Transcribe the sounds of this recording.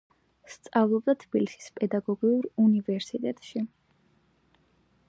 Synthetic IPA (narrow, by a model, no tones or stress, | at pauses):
st̪sʼavlˠɔbd̪at̪ʰb̥ilisi̥spʼɛd̪aɡɔɡiuɾunivɛɾsit̪ʼɛt̪ʼʃi